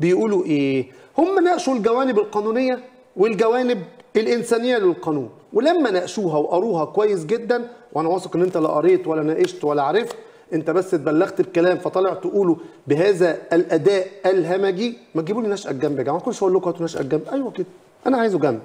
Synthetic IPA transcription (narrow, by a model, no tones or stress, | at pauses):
bejʔuːluʔeː | homːænæʔʃulɡæwæːnebelqɑːnuːnejːæ | welɡæwæːnɪb̚elʔensæːnejːælelqɑːnuːn | welæmːænæʔʃuːɦæweʔɑɾˤuːɦɑkowæjːes̬ɡed̪ːænwʔænæwɑsˤɑkʔenːʔent̪æleʔɑɾˤeːt̪wælːænæʔeʃt̪wælːæʕaɾeft̪ | ʔent̪æbæsːt̪̚bælːæɣt̪bkælæːmfæt̪ˤɑleʕt̪ʔuːlubeɦæːzæælʔæd̪æːʔælɦæmæɡimæɡibulinːæːʃʔæ̰ɡæmbeɡæʕmækonːʃæʔolːokhæt̪næʃʔæ̰ɡːæmbʔæjwæked̪æ | ʔæ̰næʕaːjezuɡæmb